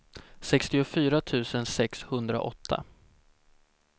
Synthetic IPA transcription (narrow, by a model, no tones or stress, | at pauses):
sɛkst̪ɪʊfyːɾat̪ʰʉ̟ːsənsɛkshɵnd̪ɾa̰ʔɔ̰t̪ʰːa̰